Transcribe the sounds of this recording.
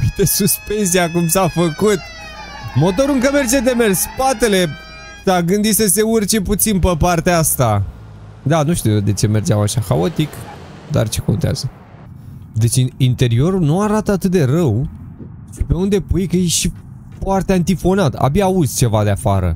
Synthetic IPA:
d̪esuspe̞nsijakumsafəkut̪̚ | mo̞t̪̬o̞ɾuɨŋkəme̞rd͡ʒed̪e̞mersʲspat̪e̞le̞ | saɡɨnd̪isəse̞urt͡ʃe̞put̪sinpəpart̪eaast̪a | d̪anuʃt̪ujod̪e̞t͡ʃe̞me̞rd͡ʒeawaʃaxao̞t̪ik | d̪a̰rt͡ʃe̞ko̞nt̪ea̰z̥ə | d̪e̞t͡ʃiint̪e̞ɾio̞ɾulnuaɾat̪əat̪ɨt̪̚d̪e̞rəw | ʃipe̞und̪e̞pujkəjeʃi | fwart̪eant̪ifo̞nat̪a̰biauzt͡ʃe̞vad̪eafa̰ɾə̰

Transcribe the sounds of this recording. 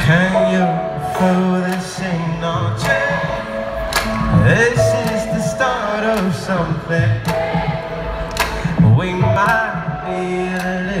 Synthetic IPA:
kʰɨ̃njɨ | foðɪsẽnət͡ʃʰa | ðɪsɪzðɨstɑɹɾʌv̥sʌ̃mθɪ̃ŋ | wimaɪt̚b̥ilɪ

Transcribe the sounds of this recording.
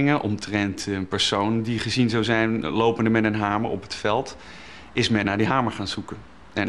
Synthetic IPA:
ŋəʔɔmtrɛntənpəɹsowndiχəzinzawzɛjnlowpəndəmɛnənɦaːmə̰ɹɔ̰pɦətfɛlˠt | ɪsmɛnːaːɹdiɦaːməɹχaːnzukən | ɛn

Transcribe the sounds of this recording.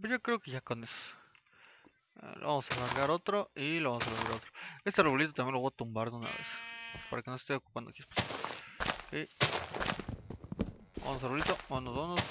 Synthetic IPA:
pesʝokɾeokeʝakones | lo̰βamosalaɾɣaɾot̪ɾoiloβamosalaɾɣaɾot̪ɾoest̪ereβolit̪ot̪amjenlooat̪umbaɾðeuna̰βḛspaɾakenosest̪eoku̥pand̪okjispe̥s | ke | ba̰nos̬aɾβolit̪oonozβonos

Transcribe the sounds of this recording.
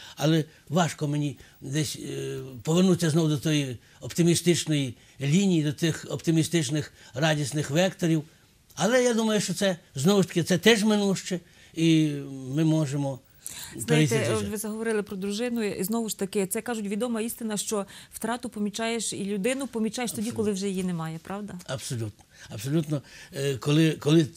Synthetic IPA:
ɐlˠɛ | ʋɑʃkɔmenʲi | d̪ɛsʲpɔʋernut͡sʲːɐznɔʋʊd̪ɔt̪ɔji | ɔpt̪ɪmʲist̪ɪt͡ʃnɔji | lʲinʲijid̪ɔt̪ɪxɔpt̪ɪmʲist̪ɪt͡ʃnɪxrɑdʲisnɪxʋɛkt̪ɔɾʲiw | ɐlˠɛjad̪umɐjʊʃt͡ʃɔt̪sɛznɔʋʊʃt̪ɐ̥kʲɪt̪sɛt̪ɛʒmɪnuʃt͡ʃɛ | imɪmɔʒemɔ | zniɛɔt̪ʋɪzɐɦɔʋɔɾɪlˠɪpɾɔd̪ɾʊʒɪnʊiznɔʋʊʃt̪ɐkɪt̪sɛkɑʒʊtʲʋʲid̪ɔmɐist̪ɪnɐʃt͡ʃɔwt̪ɾɑt̪ʊpɔmʲit͡ʃɑjeʃilʲʊd̪ɪnʊpɔmʲit͡ʃɑjeʃt̪ɔdʲikɔlˠɪwʒɛjijinɛmɑjɛpɾɑwd̪ɐɐbsɔlʲut̪̚nɔɐbsɔlʲut̪nɔkɔlˠɪkɔlˠɪ

